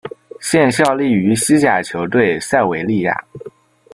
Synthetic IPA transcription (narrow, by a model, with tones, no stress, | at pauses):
ɕjɛ˥˧nɕ̬jɑ˥˧ʊli˥˩y˧˥ɕi˥t͡ɕja˨˩t͡ɕʰjo˧˥ʊt̪̬we˥˩ɪsa˥˩ɪwe˧˥ɪli˥˧ja̰˥˩˦